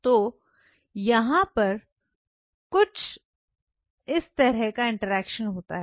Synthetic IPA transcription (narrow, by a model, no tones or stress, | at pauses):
t̪oː | jɐɦãpɐɾ | kʊt͡ʃʰ | ɪst̪ɐɾɛɦkaɪ̃ɳʈəɾɛːkʃənɦoːt̪a̰ɦɛ